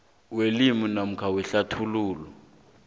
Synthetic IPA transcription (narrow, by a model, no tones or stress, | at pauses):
welimunam̩kʰawɛɬatʰuluːlɔ